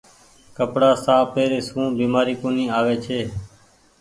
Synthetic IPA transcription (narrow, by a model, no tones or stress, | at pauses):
kəpɽaːsaːpeːɾeːsũːbiːmaːɾiːkoːniːaːʋeːt͡ʃʰeː